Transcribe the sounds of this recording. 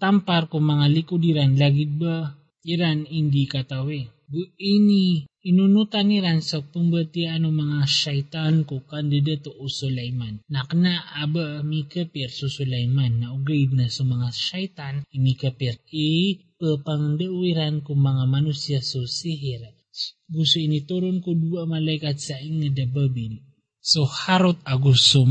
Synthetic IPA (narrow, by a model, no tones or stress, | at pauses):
t̪ampaɾkʊŋmɐŋalɪkʊd̪iɾanlaɡɪd̪̚ba | iɾanɪnd̪ikat̪awe | ɡuʔiniɪnunut̪aniɾansɐpumbɐt̪ianoŋmɐŋaʃajt̪ankʊkand̪ɪd̪at̪oʔusʊlajmanːaknaabamikapɛɾsusʊlajmanːɐʔʊɡajd̪̚nasomɐŋaʃajt̪animikapiɾipəpaŋd̪əwiɾankumaŋamanusiasosiɦiɾ | ɡusuinit̪uɾʊnkuduamalajkat̪saʔiŋːadabəbin | sohaɾot̪̚aɡusu